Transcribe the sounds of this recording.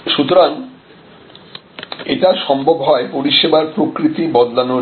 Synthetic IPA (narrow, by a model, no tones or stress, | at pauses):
ʃut̪oɾan | eʈaʃɔmbʱobɦɔepoɾiʃebaɾpɾokɾit̪ibɔd̪lano